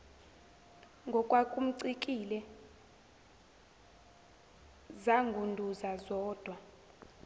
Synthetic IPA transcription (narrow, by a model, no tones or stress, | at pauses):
ŋɡʱɔkʼwakʼum̩ǀik̬ʼilɛ | zaŋɡʱundʱuzazɔːd̥ʱwa